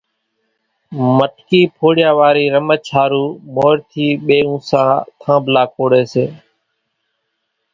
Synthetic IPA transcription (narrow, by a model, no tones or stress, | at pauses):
məʈkiːpʰoːɽjaːʋaːɾiːɾəmət͡ʃʰaːɾuːmoːɾt̪ʰiːɓeːũːsãːt̪ʰãːbʱlaːkʰoːɽeːseː